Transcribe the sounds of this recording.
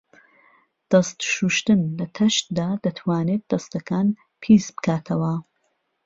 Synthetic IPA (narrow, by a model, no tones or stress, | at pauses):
d̪̥ɐst̪ʃuʃt̪ɨnlɐt̪ʰɐʃt̪d̪aːd̪ɐt̪ʰwaːnet̪̚d̪ɐst̪ɐkaːn | pʰisbɨ̥kʰaːt̪ʰɐwɐ